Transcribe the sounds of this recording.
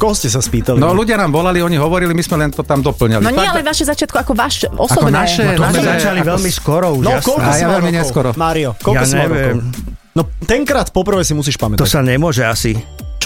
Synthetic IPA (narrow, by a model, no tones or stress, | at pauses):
kɔɦɔscɛs̬aspiːt̪alinɔluɟɪanaːmʋɔlaliɔɲiɦɔʋɔɾilimizmɛlɛnt̪ɔt̪amd̪ɔpl̩ɲalinɔɲɛalɛʋaʃɛzat͡ʃɪat̪̚kuakɔʋaːʃɔsaɔnaʃɛɔt̪ɔmɛzat͡ʃaliʋɛlmiskɔɾɔuʒnɔaskɔlkɔsaaɛmiɲɛɔkɔɾɔmaːɾiɔkɔljaːkɔɲɛaʋɾɔɪɛɔm | nɔt̪ɛŋkɾaːt̪pɔpr̩ʋɛjsimus̬iːʃpamɛt̪ɔsaɲɛmʊɔʒɛasi